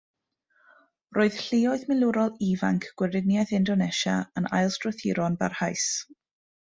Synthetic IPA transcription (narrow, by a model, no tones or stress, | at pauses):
roːɨð̥ɬɪɔɨðmɪlˠʊɾɔlˠiva̰ŋkʰɡ̥wɪɾɪnjajðɪndɔnɛʃaəna̰jlˠstrɔθɪɾɔnba̰rhajs